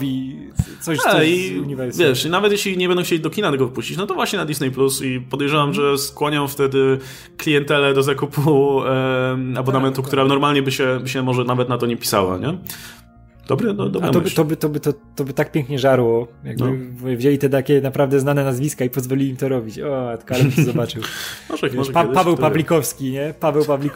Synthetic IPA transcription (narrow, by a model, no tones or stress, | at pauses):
bʲi | sɔaiuɲivɛɾsvʲjɛʂinavɛt̪jeɕlʲiɲɛbɛnd̪ɔ̃w̃xt͡ɕelid̪ɔkʲinat̪ɛɡɔvɘpuɕt͡ɕit͡ɕnɔt̪ɔvwaɕɲɛnad̪isnɛjplusipɔd̪ɛjʐɛvamʐɛskwɔɲɔ̃w̃ft̪ɛd̪ɘ | klʲijɛnt̪ɛlɛd̪ɔzakupʰu | abɔnamɛnt̪ukt̪uɾanɔɾmalɲɛbɘɕɛbɘɕɛmɔʐɛnavɛt̪nat̪ɔɲɛpʲi̥sa̰wa̰ɲɛ | d̪ɔbɾɨnd̪ɔba̰mɔt̪ɔbɘt̪ɔbɘt̪ɔt̪ɔbɘt̪ak̚pʲjɛ̃ŋkɲɛʐaɾwɔja̰ɡ̚b̪ɨvvʑelʲit̪ɛt̪akʲɛnapɾavd̪ɛznanɛnazvʲiskaipɔzvɔlʲilʲiːmt̪ɔɾɔbʲit͡ɕɔat̪kalɛt̪ɔzɔbat͡ʂɘwmɔʐɛmɔpd̪pavɛwpalʲikɔfskʲiɲɛpavɛwpablʲik